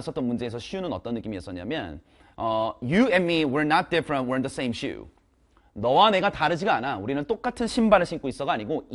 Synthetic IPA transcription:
sʰʌt͈omund͡ʑe̞esʰʌɕʰiunɯnʌt͈ʌnːɯk͈imiʌs͈ʌɲa̰mjʌ̰n | ʌjuɛnmiwiɹnat̚d̥ɪfɾə̃nt̚wiɾnðəsẽɪ̃mɕ͈ʰṵ | nʌwane̞ɡataɾɯd͡ʑiɡaanauɾinɯnt͈ok͈atʰɯnɕʰimbaɾɯɭɕʰink͈ois͈ʌɡaɲiɡo

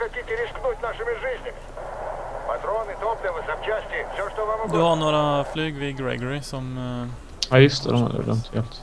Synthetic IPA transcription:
xɐtʲitʲɪɾʲɪsknutʲnaʂɨmʲɪʐɨzʲnʲɪ | pɐt̪ɾonɨt̪opləjəvɨsɐmt͡ɕæsʲtʲɪfsʲoʂt̪ovamd̪ʉhɑnoːɾɑflyːɡʋɪɡɹɛ̰ɡəɾɪsɔm | æjʏst̪əd̪ɛmɛ̰d̪ə̰d̪œ̰mt̪ʰjɛlt̪

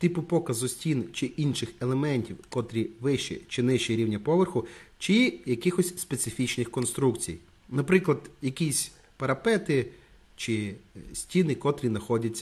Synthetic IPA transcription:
t̪ipʊpɔkɐzʊsʲtʲint͡ʃɪʔinʃɪxelˠemɛnʲtʲiwkɔt̪ɾʲiʋɪʃḭt͡ʃɪnɪʃt͡ʃiɾʲiwnʲɐpɔʋerxʊt͡ʃɪjɐkɪxɔsʲspet̪sɪfʲit͡ʃnɪxkɔnst̪ɾukt͡sʲḭj | nɐpɾɪklˠɐd̪jɐkisʲ | pɐɾɐpɛt̪ɪ | t͡ʃɪsʲtʲinɪkɔt̪ɾʲinɐxɔdʲɐt͡sʲːɐ

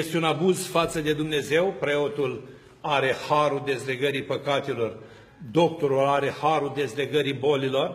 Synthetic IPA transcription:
jest̪eunabuzfat̪səd̪e̞d̪umne̞ze̞wpɾe̞o̞t̪ul | aɾe̞haɾud̪e̞zle̞ɡəɾipəkat̪elo̞r | d̪o̞k̚t̪o̞ɾulaɾe̞haɾuld̪e̞zle̞ɡəɾibo̞lilo̞r

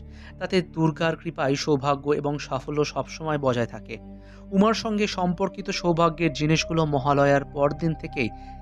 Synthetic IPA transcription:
t̪at̪ed̪uɾɡaɾkɾipajʃowbʱaɡːoḛboŋʃafoloʃɔbʃɔmɔebɔd͡ʑaet̪ʰake | umaɾʃɔŋɡeʃɔmpoɾkit̪oʃowbʱaɡːeɾd͡ʑiniʃɡulomɔɦalɔeaɾpɔɾd̪int̪ʰekej

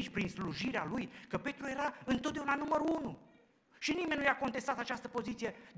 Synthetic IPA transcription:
t͡ʃʲpɾinsluʒiɾealujkəpe̞t̪ɾuje̞ɾaɨnt̪ot̪d̪eunanuməɾuunu | ʃinimenʲnujako̞nt̪e̞st̪at̪at͡ʃast̪əpo̞zit̪sije̞d̪

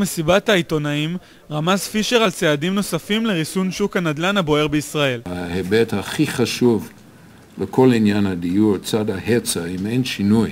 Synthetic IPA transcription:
mesibat̪aijt̪o̞naim | ʁamazfiʃeʁalt͡seadimno̞safimle̞ʁisunʃukanad̪lanabo̞e̞ʁbeisʁae̞lhahebethaχiχaʃuv | lekʰolinjanadijuʁt͡sadahet͡saimejnʃinuj

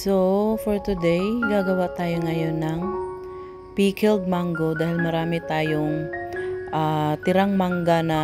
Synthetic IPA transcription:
sofɔɹt̪ʊd̪ɛjɡaːɡɐwat̪aːjoŋɐjonːɐŋ | piːkɪlɡ̚maŋɡo̞d̪aːhɪlmɐɾaːmɪt̪aːjoŋ | ʔaːt̪ɪɾaŋmaŋɡanɐ

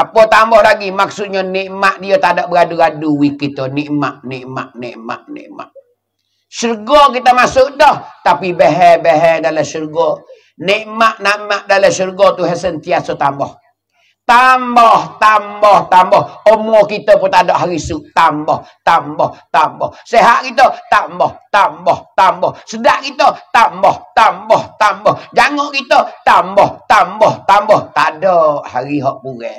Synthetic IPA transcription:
apot̪ambɔhlaɡimaksut̪̚ɲɔniʔmaʔdijot̪adɔʔbəɡaduɡaduwikːit̪oniʔmaʔniʔma̰ʔnḭʔma̰ʔnḭʔma̰ʔ | surɡokit̪əmasʊʔdɔht̪apibəɦɛbeɦɛdaləsurɡɔ | niʔmaʔnaʔmaʔdaləsurɡot̪uɦɛsənt̪iasot̪ambɔh | t̪ambɔht̪ambɔht̪ambɔhəmuokit̪əpɔt̪adɔʔɦaɾisuʔt̪ambɔht̪ambɔht̪ambɔhseɦaʔkit̪̬ət̪ambɔht̪ambɔht̪ambɔhsədaʔkit̪ət̪ambɔht̪ambɔht̪ambɔhd͡ʒaŋɔʔkit̪ət̪ambɔht̪ambɔht̪ambɔht̪adɔʔhaɾiɦɔʔbuɣɛ

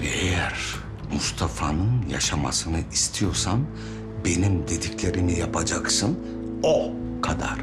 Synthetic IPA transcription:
vɛ̰ejæɾ | must̪ʰafanɯnja̰ʃama̰sɯnɯʔist̪ʰijo̞ɾsan | be̞nimd̪e̞d̪iclʲe̞ɾimijapʰad͡ʒaksɯn | okʰad̪a̰ɾ̥

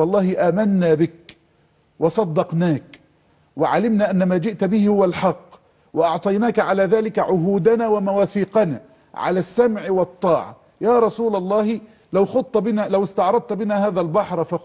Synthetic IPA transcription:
wɑlˤːɑːhɪʔaːmanːaːbɪk | wɑsˤɑd̪ːɑqnaːk | wɪʕalɪmnaːʔanːamaːd͡ʒɪʔt̪bɪhɪhʊwalħɑqː | wɪʔɑʕt̪ˤɑjnaːkʕalaːðaːlɪkaʕʊɦuːd̪anaːwamawaːθiːqana̰ː | ʕa̰laːsːamʕɪwɑt̪ˤːɑːʕɑ̰ | jaːɾˤɑsuːlɑlˤːɑːh | lawxʊd̪̚t̪ːbɪnalawɪst̪ɑʕɾˤɑd̪̚t̪bɪnaːhaːðalbɑħɾˤfa

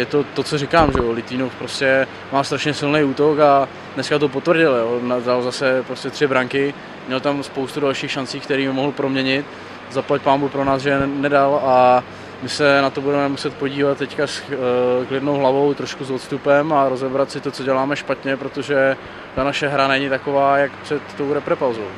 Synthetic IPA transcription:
jɛt̪o̞t̪o̞t͡sorɪkaːmʒɛolɪt̪iːnofpɾoscɛ | maːst̪ɾaʃɲɛsɪlnejuːt̪o̞ka | dnɛskat̪̬op̬ot̪vrɟɪljoːnadalzasɛpɾoscɛt̪r̝̥ɪbɾaŋkɪ | mɲɛlt̪amspo̞wst̪udalʃiːxʃant͡siːkt̪ɛɾiːmɪmoɦl̩pɾo̞mɲɛɲɪt̪ | zaplac̚paːmbuxpɾonaːzʒɛnɛdala | mɪsɛnat̪obudɛmɛmusɛt̪̚po̞ɟiːvat̪̚t̪ːɛckasklɪdnowɦlavo̞wt̪ɾo̞ʃkusot̪st̪upɛmaɾo̞zɛbɾat̪sɪt̪o̞t͡so̞ɟɛlaːmɛʃpat̪ɲɛpɾot̪oʒɛ | t̪anaʃɛɦɾanɛɲɪt̪ako̞vaːjakpr̥ɛt̪ːowɾɛpɾɛpawzow

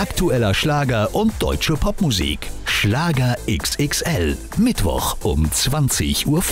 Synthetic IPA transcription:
ʔaktuɛlɐʃlaːɡɐʔʊnt̚d̥ɔ̰ʏt͡ʃəpʰɔpmuzḭːkʃlaːɡɐʔɪksɪksʔɛl | mɪtv̥ɔ̰χʔʊ̰mt͡sv̥ant͡sɪ̰çʔuːɐf

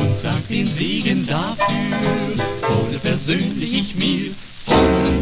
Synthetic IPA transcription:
ʊnz̥ad̥eːnzeːɡəndaːfyːʁəoːnəpʰɛɐzøːnlɪçmiː | fɔ

